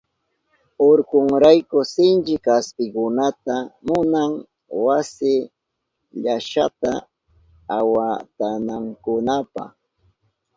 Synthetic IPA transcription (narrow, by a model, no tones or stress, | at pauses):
oɾkʊŋɾajkʊsɪnt͡ʃɪkaspɪkʊnat̪amʊnaŋ | wasɪ | ʎaʃa̰t̪a̰ | awat̪anaŋkʊnapa̰χ